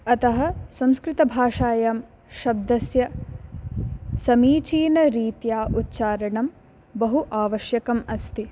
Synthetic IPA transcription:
ɐt̪ɐɦɐ̆sɐ̃mskɾɪt̪ɐbʱaːʂaːjɐm | ʃɐb̚d̪ɐsjɐ | sɐmiːt͡ʃiːnɐɾiːt̪jaːʔut̪ːt͡ʃaːɾɐɳɐm | bɐɦuʔaːʋɐʃjɐkɐmɐst̪i

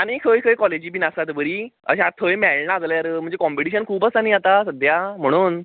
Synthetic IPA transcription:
aɽ̃ikʰəjkʰəjkɔled͡ʑiːbʱinasat̪bəɾiːə̰ɕãat̪ʰəjmɛɭnad͡zləjaɾm̤ə̃ɳd͡zekɔmpiʈiɕənkʰuːbəsaniːat̪asəd̪jam̤əɽ̃uːn

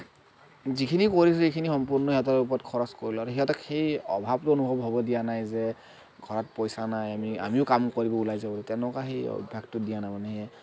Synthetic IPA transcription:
zikʰinikoɹis̬ʊekʰinixɔmpuɹnɔɔtaup̬ɔɹɔt̚kʰɔɹɔskoɹilɔaɹuxiatɔkxejɔ̰bʱab̚tʊonubʱɔbɦɔbɔdijanajzɛ | ɡʱɔɹɔt̚pɔjsanajamia̰miʊkamkoɹibɔulajzabɔltɛnɔkaxeɔ̰bbʱaɡtʊdijanajmanɛɦɛ

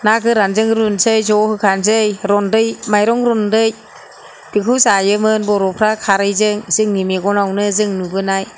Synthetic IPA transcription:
nakɯɾanzɯŋɾunsɯjzɔhɯkʰanzɯjɾɔndɯjmajɾɔŋɾɔndɯj | d̥ikʰɯwzajɯmɯnbɔɾɔpʰɾakʰaɾɯjzɯŋz̥ɯŋnimeɡɔnawnɯzɯŋnubɯnaj

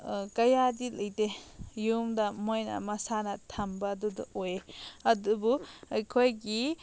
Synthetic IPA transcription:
kɐjadilɐjtejumdamojnɐ̰mɐsanɐtʰɐmbadudṵojeɐdubuɐjkʰojɡi

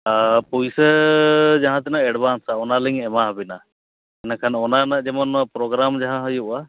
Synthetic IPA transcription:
pujsɛ | d͡ʒaɦãt̪ɛnaɛɖbʱansaɔnaliŋɛmaɦəbina | ɛnakʰanɔnanad͡ʒɛmɔnuapɾɔɡɾamd͡ʒaɦãɦɔjuʔa

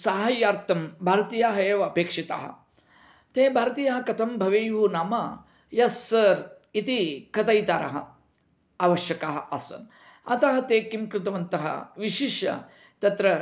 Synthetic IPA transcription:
saːɦɐjaːɾt̪ɐmbʱaːɾɐt̪iːjaːɦɐeːʋɐɐpeːkʂit̪a̰ːɦɐ̰̆ | t̪eːbʱaːɾɐt̪iːjɐɦɐkɐt̪ʰɐmbʱɐʋeːjunaːmɐ | jɐsːɐɾ | it̪ikɐt̪ɐjt̪aːɾɐ̰ɦɐ̰ | aːʋɐʃjɐkaːɦɐʔɐsɐ̰n | ɐ̰t̪ɐɦɐt̪eːkimkɾɪt̪ɐʋɐnt̪ɐɦɐ̰ʋiʃiʃɐ̰ | t̪ɐt̪ɾɐ

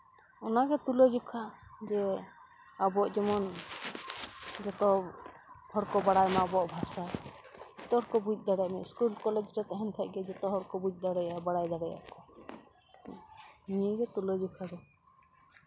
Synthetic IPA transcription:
ɔnaɡɛt̪ulɔd͡ʒɔkʰad͡ʒɛ | abɔʔd͡ʒɔmɔn | d͡ʒɔt̪ɔ | hɔɾkɔbaɽajmabɔʔbʱasa | t̪ɔɾkɔbut͡ʃ̚ˀd̪aɽɛʔmɛʔskulkɔlɛd͡ʒɾɛt̪ɛɦɛnt̪ʰɛʔ̚ɡɛd͡ʒɔt̪ɔɦɔɾkɔbuc̚ˀd̪aɽɛjabaɽajd̪aɽɛja̰ʔkɔ | niɡɛt̪ulɔd͡ʒukʰaɡɔ

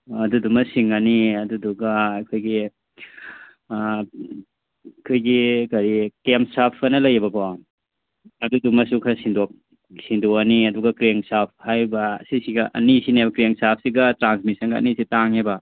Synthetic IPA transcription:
ɐdudumɐsiŋɐniɐduduɡɐkʰojɡi | kʰojɡikɐɾikemsapʰɐnɐlɐjɐbɐko | ɐdudumɐsukʰɐsindok̚ | sindoɐniɐduɡɐkɾeŋsap̚ʰhajbɐsisiɡɐʔɐ̰nisinebɐkɾeŋsap̚ʰsiɡɐtɾansmisɐnɡɐɐ̰nisitaŋebɐ

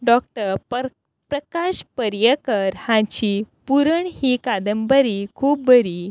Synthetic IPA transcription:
ɖɔk̚ʈəɾ | pɾəkaɕpəɾjəkəɾhãt͡ɕiːpuɾəɳhiːkad̪əmbəɾiːkʰuːp̚bəɾiː

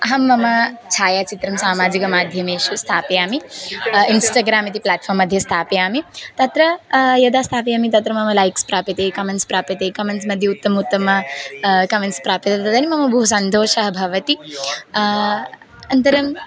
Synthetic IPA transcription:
ɐɦɐmːɐmɐt͡ʃʰaːjaːt͡ʃit̪ɾɐmsaːmaːd͡ʒikɐmaːd̪ʱjɐmeːʃust̪ʰaːpijaːmiinsʈaːɡɾaːmit̪̬iplaːʈfʰɐːɾmːɐd̪ʱjɐst̪ʰaːpijaːmit̪ɐt̪ɾɐjɐd̪aːst̪ʰaːpijaːmit̪ɐt̪ɾɐmɐmɐlɐjkspɾaːpit̪eːkɐmeɳʈspɾaːpɐt̪eːkɐmeɳʈsmɐd̪ʱjɐut̪ːɐmɐut̪ːɐmɐkɐmeɳʈspɾaːpit̪ɐt̪ɐt̪ɐnimɐmɐbɐɦusɐnt̪oːʃɐɦɐbʱɐʋɐt̪i | ɐnt̪ɐɾɐm

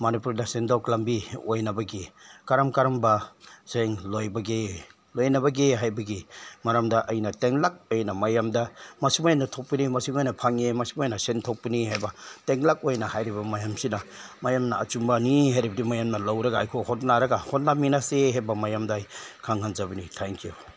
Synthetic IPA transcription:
manipuɾdasendawklambiojnɐbɐɡikaɾamkaɾambɐz̥eŋlojbɐɡe | lojnɐβɐɡeɦajbɐɡimaɾamdɐʔɐjnɐteŋlak̚ojnɐmɐjamdɐmɐsimajanːatʰok̚pinimɐsiŋojnɐpʰaŋemɐsimajnɐsentʰok̚piniɦajbɐteŋlak̚ojnɐhajɾibɐmajamsinɐ | majamnɐːt͡ʃumbɐniɦajɾibɐdimajamnɐlawɾɐɡaːjkʰohot̬̚naɾɐɡahot̚naminaseɦejbɐmajamdajkʰaŋhanzabɐnitʰeŋkiju

